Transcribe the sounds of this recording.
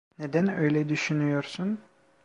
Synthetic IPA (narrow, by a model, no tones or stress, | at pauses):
ned̪ænøjlʲɛd̪yʃynyjoɾsun